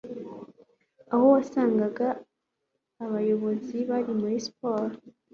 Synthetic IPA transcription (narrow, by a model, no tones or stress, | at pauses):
ahowasaːŋɡaɡaː | βajo̞βo̞ziβaɾimuɾispoːɾ